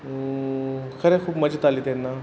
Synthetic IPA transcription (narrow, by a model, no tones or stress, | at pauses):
kʰəɾekʰuːbmɐd͡ʑət̪alit̪enːa